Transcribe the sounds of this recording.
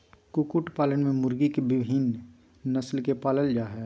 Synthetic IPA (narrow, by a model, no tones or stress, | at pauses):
kʊkʊʈpaːləɳmẽmʊɾɡikebɪbɦiːnː | ɐslkepaːləld͡ʒaːɦɛː